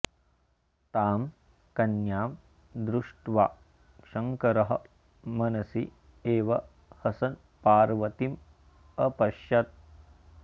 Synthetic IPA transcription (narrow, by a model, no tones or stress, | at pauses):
t̪aːm | kɐnjaːm | d̪ɾuʂʈʋaː | ʂɐŋkɐɾɐɦɐ̆ | mɐnɐsi | eːʋɐ | hɐsɐn | paːɾʋɐt̪im | ɐpɐʃjɐt̪̚